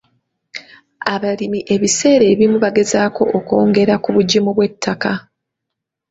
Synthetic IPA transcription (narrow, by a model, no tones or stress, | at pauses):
aβalimiʔe̞βise̞ːɾe̞ːβimuβaɡe̞zaːko̞ʔoko̞ːŋɡe̞ɾakuβuɟimuβwe̞tʰːaka